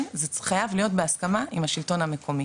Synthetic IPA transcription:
zeχajavlijo̞tbeaskamaʔimaʃilto̞nhame̞kʰo̞mi

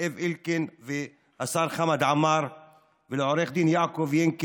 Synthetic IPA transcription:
evʔilkenve | ʔasaɾχamad̪ʕamaɾ | vɪlʕoɾeχd̪injaːkovjeŋk

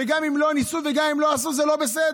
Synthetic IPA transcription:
eɡamimlonisuveɡamimlo̞asuzelo̞besed

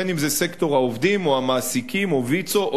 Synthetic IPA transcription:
enimzesekto̞ʁhaovdimoamaːsikimovit͡soʔ

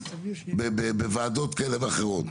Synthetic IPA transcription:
bebebevaːd̪ot̪kelevaχeʁot̪

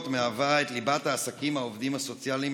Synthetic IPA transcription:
t̪meavaet̪libat̪aːsakimaovd̪imhaso̞t͡sjalim

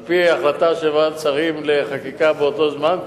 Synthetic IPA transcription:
piaχlat̪aʃevat͡saʁimleχakikabeot̪o̞zman

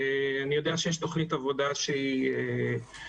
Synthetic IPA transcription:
eanijo̞d̪eaʃejeʃt̪o̞χnit̪avo̞d̪aʃeie

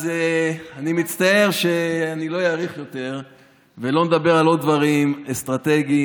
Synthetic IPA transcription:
zeanimit͡st̪ae̞ʁʃeanilo̞jaːʁiχjo̞t̪e̞ʁ | velo̞ned̪abe̞ʁalo̞d̚d̪vaʁimest̪ʁat̪e̞ɡi

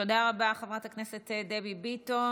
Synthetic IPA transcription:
odaʁabaχevʁatakneset̪ed̪ebibito

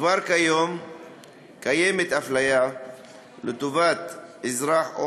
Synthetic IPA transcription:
vaɾkajom | kajemet̪aflaja | let̪ovat̪izɾaħʔo

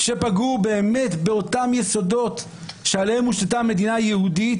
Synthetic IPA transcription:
ʃe̞paɡube̞ːme̞tbe̞otamjeso̞do̞t | ʃealehemuʃtatame̞d̪inajehudit

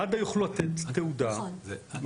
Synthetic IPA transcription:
ad̪ajuχlulat̪et̪tːeud̪am

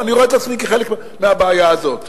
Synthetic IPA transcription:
aniʁoetat͡smikeχe̞lek | meabeajaazo̞t

